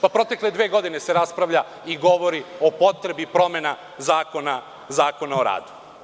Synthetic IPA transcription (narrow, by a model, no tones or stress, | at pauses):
papɾo̞t̪e̞kle̞d̪ʋe̞ːɡo̞d̪inese̞ɾaspɾaʋʎa | iɡo̞ʋo̞ɾio̞po̞t̪ɾe̞bipɾo̞me̞na | zaːko̞na | zaːko̞naoɾa̰ːd̪u̥